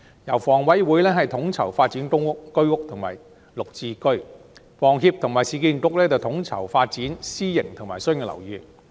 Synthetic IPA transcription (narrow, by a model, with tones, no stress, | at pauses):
jɐ˨˩wfɔː˨˩ŋwɐ˨˥jwuː˨˥jlɛː˥ɦɐ˨jt̪ʰʊ˨˥ŋt͡sʰɐ˨˩wfaː˧t̚t͡si˨˥nkʊ˥ŋʊ˥kːɵ˥ɥkʊ˥k̚t̪ʰʊ˨˩ŋma̰ː˨˩j | lʊ˨k̚t͡siː˧kɵ˥ɥ | fɔː˨˩ŋɦiː˧p̚t̪ʰʊ˨˩ŋmaː˨˩jsiː˨˧kiː˧nkʊ˨˥k̚lɛː˥t͡sɐ˨wt̪ʰʊ˨˥ŋt͡sʰɐ̰˨˩wfaː˧t̚t͡siː˨˥nsiː˥jɪ˨˩ŋt̪ʰʊ˨˩ŋmaː˨˩jsɵ˥˧ŋkɛ˧lɐ̰˨˩wjyː˨˩